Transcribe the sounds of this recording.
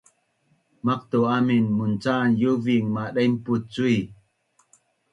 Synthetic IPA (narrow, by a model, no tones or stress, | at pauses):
mak̚t̪oʔaminmunt͡sanjuviŋmaɗejm̩put̚t͡sui